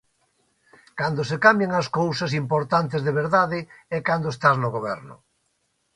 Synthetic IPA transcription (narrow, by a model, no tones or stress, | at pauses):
kand̪osekambjeŋɐskowsɐsimpoɾt̪ant̪ɪzðeβeɾðaðɪɛkand̪oest̪aznʊɣoβɛɾnʊ̰